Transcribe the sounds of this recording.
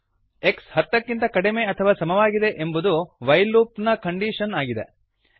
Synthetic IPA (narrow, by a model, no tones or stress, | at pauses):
e̞kshɐt̪ːɐkːint̪ɐkɐɽeme̞ːɐt̪ʰɐʋaːsɐmɐʋaːɡid̪e̞ʔembud̪uʋɐjluːpnɐkɐɳɖiʃɐnaːɡid̪e̞